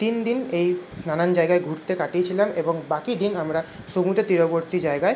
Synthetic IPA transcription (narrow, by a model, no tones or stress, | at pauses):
t̪ind̪inej | nanand͡ʑaeɡaeɡʱuɾt̪ekaʈiet͡ɕʰilameboŋbakid̪inamɾa | ʃomut̪et̪ɾiɾoboɾt̪id͡ʑaeɡae